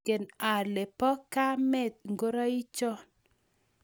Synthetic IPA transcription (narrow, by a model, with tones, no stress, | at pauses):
e˨na˨lɛ˨pɔ˦ka˦mɛ˦˨t̪̚ŋɡo˦ɾa˦i˦t͡ʃɔ˦